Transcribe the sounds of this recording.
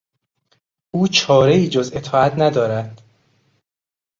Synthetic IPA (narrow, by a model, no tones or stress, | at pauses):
ʔuːt͡ʃʰɒːɾeiːd͡ʒoze̞t̪ʰɒːæt̪ʰnæd̪ɒːɾæd̪̥